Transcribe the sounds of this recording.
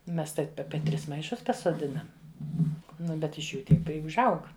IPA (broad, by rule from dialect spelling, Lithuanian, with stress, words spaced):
ˈmʲɛs ˈtɐɪp ˈɑːpʲɛ ˈtʲrʲɪs mɐɪˈʃʊs pɐsoːˈdʲɪnɐm ˈnʊ bʲɛt ɪʃ ˈjuː ˈtʲiɛk ˈpʲrʲɪ ʊʒˈɐʊk